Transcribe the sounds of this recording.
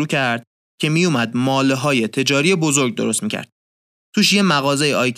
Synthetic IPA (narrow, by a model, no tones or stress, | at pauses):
uːcʰæɾd̪̥̚ | cʰe̞mijumæd̪mɒːleɦɒːje̞t̪ʰe̞d͡ʒɒːɾijebo̞zo̞ɾɡ̚d̪o̰ɾost̪miːcʲʰæ̰ɾd̪̥̚ | t̪ʰuːʃje̞mæɣɒːze̞jeɒːjkʰ